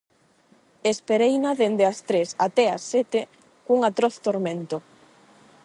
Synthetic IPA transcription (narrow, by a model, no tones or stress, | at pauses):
espeɾejnaðend̪east̪ɾesat̪ɛasːet̪e | kuŋat̪ɾɔθt̪oɾmẽnt̪o